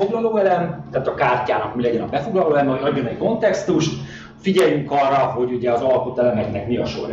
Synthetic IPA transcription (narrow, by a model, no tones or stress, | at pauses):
oɡlɒloːɛlɛmt̪aːt̪ɒkaːrcaːnɒkmilɛɟɛnɒbɛfo̞ɡlɒloːɛɛmoɒɟːo̞nɛcko̞nt̪ɛkst̪uʃt̪ | fiɟɛjyŋkɒrːɒɦo̞ɟuɟɛɒzɒlɒkut̪ɛlɛmɛknɛkmiɒ̰ʃo̰ɾ